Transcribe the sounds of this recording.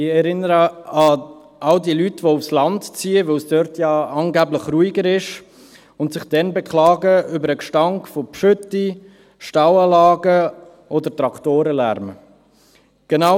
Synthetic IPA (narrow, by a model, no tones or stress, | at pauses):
ɪɛɾɪnəɾəɑ | ʔɑldiəlytʋoufslɑntt͡siːəvœsd̥œɾtjɑɑŋɡæbləχruiɡəɾɪʃ | ʊntsɪχd̥ɛnbɛkχlɑːɡəʏbəɾəkʃtɑŋkfopʃʏtːi | ʃtawɑlɑːɡə | ʔodətɾɑktoːɾəlæ̰ɾmə | ɡ̥ena